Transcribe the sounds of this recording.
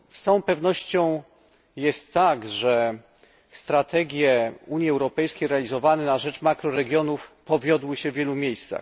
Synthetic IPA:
sãw̃pɛvnɔɕt͡ɕɔ̃w̃ | jɛst̪ːaɡʐɛ | st̪ɾat̪ʰɛɡʲjɛuɲjiɛwɾɔpɛjskʲejɾɛalʲizɔvanɛnaʐɛt͡ʂmakɾɔɾɛɡʲjɔnufpɔvʲjɔd̪wɘɕɛvʲjɛlumʲjejst̪sa̰x

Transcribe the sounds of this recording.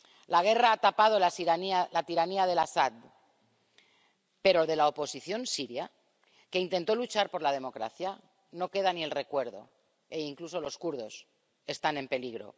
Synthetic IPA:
laɣ̞e̞raat̪apað̞o̞linalat̪iɾaniað̞e̞lasad̪̚ | pe̞ɾoðe̞laopo̞siθjo̞nsiɾja | keint̪e̞nt̪o̞lut͡ʃaɾpo̞ɾlað̞e̞mo̞kɾa̰θja | no̞ke̞ð̞anie̞lre̞kwe̞ɾðo̞̰ | e̞iŋkluso̞lo̞skuɾð̞o̞s | e̞st̪ane̞mpe̞liɣɾo̞̰

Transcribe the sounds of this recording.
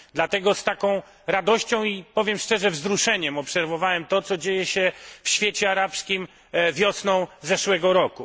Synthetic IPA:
d̪lat̪ɛɡɔst̪akɔ̃w̃ | ɾad̪ɔɕt͡ɕɔ̃w̃ipɔvʲjɛmʂt͡ʂɛʐɛvzɾuʂɛɲɛmɔpsɛɾvɔvawɛmt̪ɔt̪sɔd͡ʑejɛɕɛfɕfʲjet͡ɕɛaɾapskʲim | vʲjɔsnɔ̃w̃zɛʂwɛɡɔɾɔku

